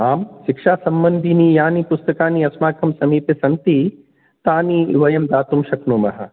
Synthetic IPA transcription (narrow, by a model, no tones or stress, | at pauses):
aːmʃikʂaːsɐmbɐnd̪ʱiniːjaːnipust̪ɐkaːniɐsmaːkʰɐmsɐmiːpesɐnt̪i | t̪aːniʋɐjɐmd̪aːt̪umʃɐknumɐɦɐ̰